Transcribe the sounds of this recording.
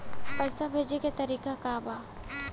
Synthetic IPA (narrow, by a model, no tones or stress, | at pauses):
pɐjsabʱeːd͡ʒeket̪ɐɾiːkakaːbaː